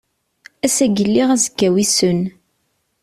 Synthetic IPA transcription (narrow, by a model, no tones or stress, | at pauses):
æsæɡəlːiʁæzəkːæwisən